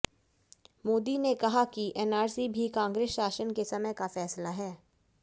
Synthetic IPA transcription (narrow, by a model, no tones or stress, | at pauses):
moːd̪inekɐɦakiʔɛːnaːɾsibʱikãːŋɡɾeːsʃaːʃənkesɐməjkafɛːslaɦɛː